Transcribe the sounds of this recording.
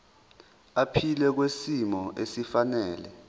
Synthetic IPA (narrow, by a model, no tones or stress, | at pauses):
apʰilɛk̬wesimɔʔesifanɛːlɛ